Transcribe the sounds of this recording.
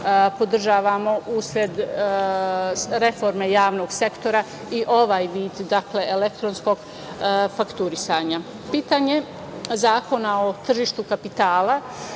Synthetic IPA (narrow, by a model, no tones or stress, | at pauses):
po̞d̪r̩ʒaːʋamo̞ʔusɾʲje̞d̪ | ɾe̞fo̞ɾme̞jaːʋno̞ːɡse̞kt̪o̞ɾa | iʔo̞ʋaːjʋiːd̪ːakle̞elekt̪ɾonsko̞ɡ | fakt̪uɾisaːɲa | piːt̪aːɲe̞ | zaːko̞nao̞t̪r̩ʒiːʃt̪ukapit̪aːla